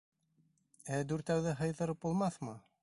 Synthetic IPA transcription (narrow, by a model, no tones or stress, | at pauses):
æd̪ʉɾt̪æwðɘɦɤ̆jðɤ̆ɾɤp̚bulˠmɑθmɤ